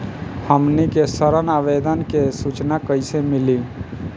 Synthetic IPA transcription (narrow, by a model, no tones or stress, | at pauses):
həmnikesəɾənabed̪ənkesut͡ʃnakəɪsemɪli